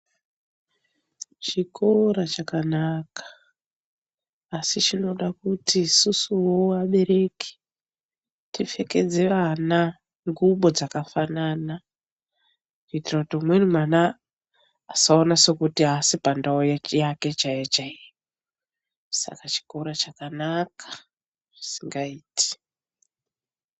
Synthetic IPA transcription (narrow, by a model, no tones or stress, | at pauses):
t͡ʃikʰo̞ɾat͡ʃakanakḁ | sit͡ʃino̞ɗakutisusuwoaɓe̞ɾe̞ke̥ | tife̞ke̞d͡zeʋana | ŋɡuɓo̞d͡zakafanana | nitirakutiumwenumwanaː | saonase̞kutiasipandaojajake̞t͡ʃajet͡ʃaejo | sa̰kat͡ʃi̥koɾat͡ʃakanakʰḁ | ʐisiŋɡaiːti̥